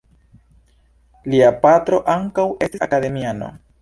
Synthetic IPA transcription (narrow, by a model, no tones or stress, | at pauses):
liapatɾo̞ʔaŋkawe̞stisa̰kade̞miano̞̰